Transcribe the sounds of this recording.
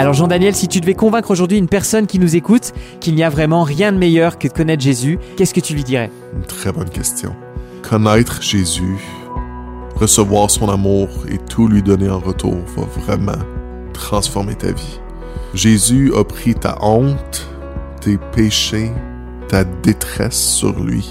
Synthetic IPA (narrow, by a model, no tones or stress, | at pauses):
alɔʁʒɑ̃d̪anjɛlsit̪yd̪əvɛkɔ̃vɛ̃kχoʒuʁd̪ɥiynpɛʁsɔnkʲinuzekut̪kʲilniavʁɛmɑ̃ʁjɛ̃d̪əmɛjœʁkəd̪əkɔnɛt̪χʒezykʲɛskət̪ylɥid̪iʁɛ | ynt̪χɛbɔnkʲɛst̪jɔ̰̃ | kʰɔnɛːt̪χʒ̥ezy | ʁəsəvwaːʁsɔ̃namuːʁḛt̪ʰulɥid̪ɔneɑ̃ʁət̪ʰṵːʁva̰vʁɛmɑ̰̃ | t̪χɑ̃sfɔʁmet̪a̰vi | ʒezyɔpχit̪a̰ʔɔ̃t̪ː | epeʃe | t̪ad̪et̪χɛ̰sːy̰ʁlɥḭ